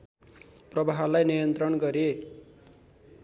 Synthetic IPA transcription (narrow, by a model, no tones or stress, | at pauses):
prʌbaɦʌlajnijʌnt̪rʌnɡʌɾe